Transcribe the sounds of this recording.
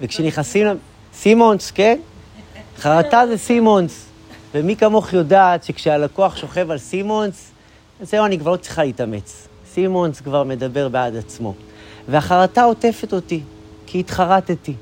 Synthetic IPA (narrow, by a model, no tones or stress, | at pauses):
vekʃeniχasim | simo̞nske̞n | χaʁatazesimo̞ns | vemikamo̞χjo̞daːtʃekʃealako̞aχʃo̞χe̞valsimo̞ns | azeuanikvaʁlo̞t͡sʁiχaleitame̞̰t͡s | simo̞nskvaʁme̞dabe̞ʁbeadat͡smo̞̰veaχaʁatao̞te̞fe̞to̞ti | kiːtχaʁateti